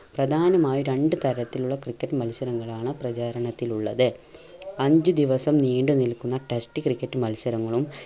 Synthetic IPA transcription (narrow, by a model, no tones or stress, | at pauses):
prɐd̪ʱaːnɐmaːjiɾe̞ɳɖɨt̪ɐɾɐt̪ːiluɭːɐkrikʲːɐʈːɨmɐlsɐɾɐŋːɐɭaːɳɨprɐt͡ɕaːɾɐɳɐt̪ːiluɭːɐðɨ | ɐɲd͡ʑɨd̪iʋɐsɐmniːɳɖɨnilkːunːɐʈesʈɨkrikːɐʈːɨmɐlsɐɾɐŋːɐɭum